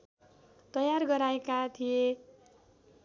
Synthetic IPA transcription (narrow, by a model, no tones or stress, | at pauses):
t̪ʌjarɡʌɾaekat̪ʰije